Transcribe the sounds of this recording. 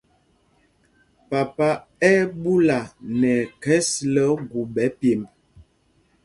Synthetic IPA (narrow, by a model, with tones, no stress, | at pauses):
pa˨pa˦ | ɛ˦bu˦la˨nɛ˨kɛ˦slə˦ɡu˨bɛ˨˦pje˨m